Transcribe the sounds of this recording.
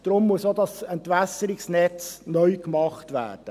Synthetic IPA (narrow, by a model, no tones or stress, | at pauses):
d̥ɾʊmːuəsodɑsɛntʋæsəɾɪksnɛt͡snœʏkmɑχtʋæ̰ːrd̥ə